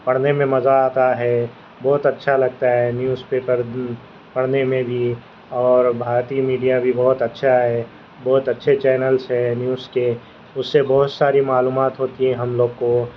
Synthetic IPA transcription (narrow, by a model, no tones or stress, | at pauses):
pɐɽ̤nemẽmɐzaaːt̪aɦɛ | bɔːt̪ɐtːʃʰalɐɡ̚t̪aɦɛnjuːzpeːpəɾ | pɐɽ̤nemẽbʱi | ɔːɾbʱaːɾt̪iːmiːɖijabʱibɔɦʊt̪ɐtːʃʰaɦɛ | bɔːʊt̪ɐtːʃʰet͡ʃɛːnəlsɦɛnjuːzke | ʊsːebɔɦʊt̪saːɾimaːluːmaːt̪ɦoːt̪iɦɛ̃ɦɐmloːɡko